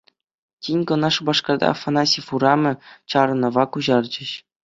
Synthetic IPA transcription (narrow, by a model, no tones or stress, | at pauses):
tʲinʲkɤ̆nɑʂubɑʂkɑrd̪ɑ̰fanɑsʲifuɾɑmʲɤ̆t͡ɕɑɾɤ̆nɤ̆ʋɑkuʑɑrd͡ʑɘ̆ɕ